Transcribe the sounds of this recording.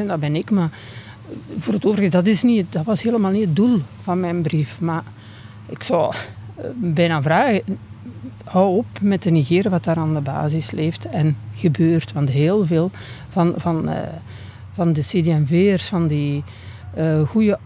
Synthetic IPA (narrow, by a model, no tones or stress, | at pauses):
ɛndabɛnɪkma | voːrətoːvərɣədɑtɪsniədɑtʋɑsɦeːləmaːlˠniət̚dulˠv̥ɑnmɛjnbrifma | ɪksɑlˠ | bɛjnaːvraːɣə | hʌwɔpmɛtdəniɣeːɾəʋɑtdaːɾaːndəba̰ːzɪsleːftɛnɣəbøːrtʋɑntɦeːlˠveːlˠ | vɑnvɑn̰ | vɑndəsedeɛnveːərsfɑndi | ɣujə